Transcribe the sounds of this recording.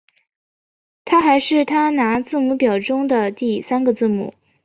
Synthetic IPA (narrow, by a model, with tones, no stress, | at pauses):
t̪ʰa˥xa˧˥ɪʂɻ̩˥˩t̪ʰa˥na˧˥t͡sɹ̩˥˧mu˧˥pjɑ˨˩ʊʈ͡ʂʊ˥ŋd̪ə˨t̪i˥˩sa˥nɡə˨t͡sɹ̩˥˩mṵ˨˩˦